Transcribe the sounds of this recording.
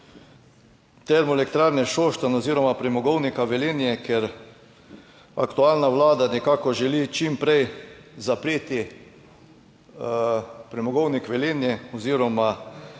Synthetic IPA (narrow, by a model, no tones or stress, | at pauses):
t̪ɛɾmɔelɛkt̪ɾaːɾnɛʃoʃt̪anɔziːɾɔmapɾɛmɔɡɔwnikaʋɛleːnjɛkɛɾ | a̰kt̪ualnaʋlaːd̪anɛkakɔʒɛlit͡ʃimpɾɛjzapɾeːt̪i | pɾɛmɔɡɔwnikʋɛleːnjɛɔziːɾɔma